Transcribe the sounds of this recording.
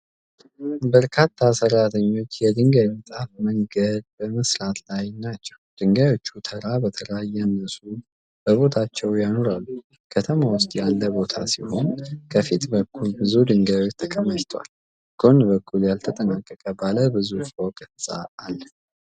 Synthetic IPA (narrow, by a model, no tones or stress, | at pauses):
bəɾkʰat̪ʰːasəɾːat̪ʰəɲːo̞t͡ʃːjɛd̪ɨŋɡajmət̪ʼafməŋɡəd̪̚bəməsɾat̪ʰlajnat͡ʃːɛwd̪̥ɨŋɡajo̞t͡ʃːut̪ʰəɾabət̪ʰəlajːanəsʼu | b̥əβo̞t̪ʰat͡ʃːɛwjano̞ɾalːu | kʰət̪ʰəmawʊst̪ʼjalːəbo̞t̪ʰa̰siho̞nkʰəfit̪bəkʰːulbɨzud̪ɨŋɡajwot͡ʃːt̪ʰəkʰəmːəʃt̪ʰwa̰l | ɡ̥o̞nbəkʰːuljalt̪ʰət̪ʼənakʼːəkʼəbaləbɨzufokʼtsʼa̰ːlːə